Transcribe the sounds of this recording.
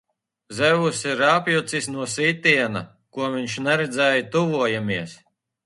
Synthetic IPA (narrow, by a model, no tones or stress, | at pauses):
zɛvusiɾapjut̪sisnuɔsiːt̪iɛna | kuɔmviɲʃnɛɾɛd̪zɛːjat̪uvuɔjamiɛs